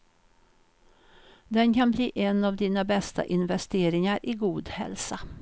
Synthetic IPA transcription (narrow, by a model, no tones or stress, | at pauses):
d̪ɛnkanbliːʔɛnavd̪iːnabɛst̪ʰa̰ʔɪnvɛst̪eːɾɪŋaɾʔɪɡuːd̪hɛ̰lsa